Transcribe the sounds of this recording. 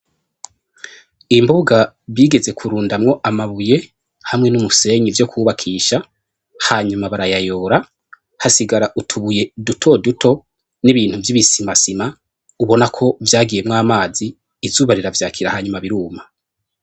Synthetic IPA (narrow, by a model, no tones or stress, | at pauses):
imbuɡa | βjiːɡe̞ze̞kʰuɾuːndamŋo̞ʔamaβuje̞ | hamŋe̞numuse̞ɲivjo̞kʰuːβakʰiːʃa | haːɲumaβaɾajajo̞ːɾa | hasiɡaɾaʔutʰuβuje̞dutʰo̞dutʰo̞ | niβiːnhuvjiβisimasima | uβo̞nakʰo̞vjaːɡije̞mŋaːmaːziː | zuːβaɾiɾavjaːkʰiɾahaːɲumaβiɾuːma